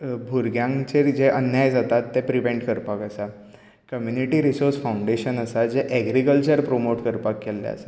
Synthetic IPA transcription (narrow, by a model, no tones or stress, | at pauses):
bʱuɾɡjãŋt͡ɕeɾd͡ʑeʔənjajd͡zat̪at̪ːepɾiʋeɳʈkəɾpakəsa | kəmjuniʈiːɾisoɾsfauɳɖeɕənəsad͡ʑeʔɛɡɾikəlt͡ɕəɾpɾomoʈkəɾpakːelːḛə̰sa